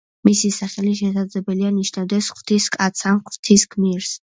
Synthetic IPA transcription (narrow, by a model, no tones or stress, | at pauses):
misisaχɛliʃɛsad̪zlɛbɛlianiʃnavd̪ɛsχwv̥t̪ʰiskʼat̪sʰanχvɾt̪ʰiskʰmiɾs